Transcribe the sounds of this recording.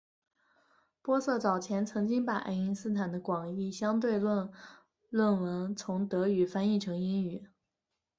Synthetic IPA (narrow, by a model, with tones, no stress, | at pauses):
pwɔ˥sɤ˥˩t͡sɑ˨˩ʊt͡ɕʰjɛ˧˥nt͡sʰɤ˧˥ŋt͡ɕi˥ŋpa˨˩ʔa̰˥ni˧˥nsɹ̩˥t̪ʰa˨˩nd̪ə˦kwɑ˨˩ŋi˥˩ɕjɑ˥ŋt̪we˥˧ɪlwə˥˧n | lwə˥˩nwə˧˥nt͡sʰʊ˧˥ŋt̪ɤ˧˥y˨˩fa˥ni˥˩ʈ͡ʂʰɤ˧˥ŋi˥ŋy˨˩˦